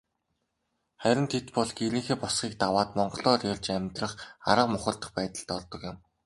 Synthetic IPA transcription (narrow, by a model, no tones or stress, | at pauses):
χæɾʲɪ̆nt̪ʰet̪pɔɮɡeɾiːŋxeːpɔsχiːk̚t̪awaːt̪mɔɴɢɞ̆ɮɔːrjɔɮt͡ɕæmʲt̪rə̆χa̰ɾə̆qmʊχə̆ɮt̪ə̆χpæːt̪ə̆ɮt̪ɔɮt̪ɞ̆kjɪ̆m